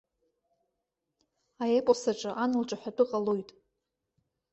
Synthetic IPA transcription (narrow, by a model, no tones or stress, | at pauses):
ajepʼosaʈ͡ʂʼɨʔanɨlʈ͡ʂʼaħʷᶣadɨqʼalojtʼ